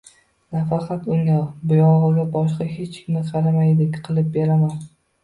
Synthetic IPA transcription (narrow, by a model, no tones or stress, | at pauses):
nafɑqʰɑt̪ʊŋabʊjɒʁɨɡʲabɒʃqɑhe̞t͡ʃkʲʰɪnɪqʰɑɾamajd̪ɪkʲqʰɨlˠɪp̚beɾaman